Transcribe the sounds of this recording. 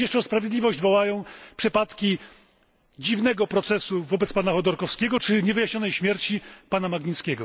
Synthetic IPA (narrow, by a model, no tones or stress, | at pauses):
ɛʂt͡ʂɛspɾavʲjɛd̪lʲivɔʑd͡ʑvɔwajɔ̃w̃pʂɘpat̪kʲi | d͡ʑivnɛɡɔpɾɔt̪sɛsuvɔbɛt̪spanaxɔd̪ɔɾkɔfskʲɛɡɔt͡ʂɘɲɛvɘjaɕɲɔnɛjɕmʲjɛɾt͡ɕipanamaɡɲit̪skʲɛɡɔ